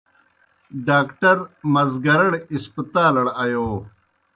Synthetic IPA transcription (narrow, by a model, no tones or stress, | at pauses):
ɖaːkʈɐɾmɐzɡɐɾɐɽispɐt̪aːlɐɽɐjoː